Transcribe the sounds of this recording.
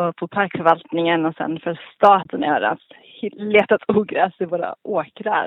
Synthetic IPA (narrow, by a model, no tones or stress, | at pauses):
ɔpʰɔpʰaɾkfœɾvalt̪nɪŋənɔsɛ̰nfœlst̪ɑːt̪ʰənɪœːɾa̰ns | hleːt̪at̪ʰuːɡɾɛːsɪvoːɾa̰ʔoːkɾa̰